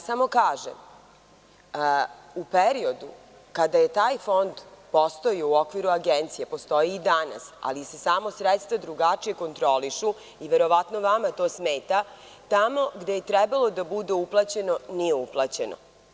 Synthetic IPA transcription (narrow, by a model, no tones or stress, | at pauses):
samo̞kaːʒḛm | upeɾio̞d̪u | kad̪aje̞t̪aːjfo̞nd̪po̞st̪o̞jiouo̞kʋiɾuaɡent̪sijepo̞st̪o̞jiːd̪ana̰sa̰lise̞samo̞sɾet̪st̪ʋad̪ɾuɡat͡ʂije̞ko̞nt̪ɾo̞liʃu | iʋe̞ɾo̞ʋat̪no̞ʋamat̪o̞ːsmeːt̪a | t̪amo̞ɡd̪e̞jet̪ɾɛbalo̞d̪abud̪euplˠat͡ɕe̞no̞nijeuplˠat͡ɕe̞no̰